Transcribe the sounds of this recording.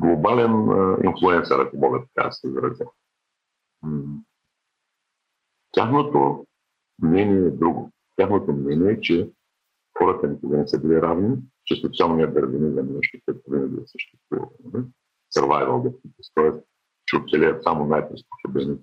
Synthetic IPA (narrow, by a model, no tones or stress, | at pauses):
ɡlˠobalɛn̰ḭnflˠuɛnsɐɾɐkomɔɡət̪ɐ̥ka̰sɛzɾɐzʲɛ | t̪ʲaxnot̪o | mnɛnʲiɛːd̪ɾuɡo | t̪ʲaxnot̪omnɛniɛt͡ʃɛ | xɔɾət̪ənikoɡənɛsəbiliɾavnit͡ʃɛspɛt̪sjalˠnʲiɐd̪ɐɾvinizɐmɛnɛʃt̪ikɛt̪ovinəɡʲisə̥ʃt̪ɛst̪vṵvɐ̰t̪t̪nɐli | sɐɾvajvɐlˠd̪ot̪it̪ɛst̪ɔɛs | t͡ʃɛot̪sɛlʲɛjɐt̪samonajpɾɛspo̥sobɛni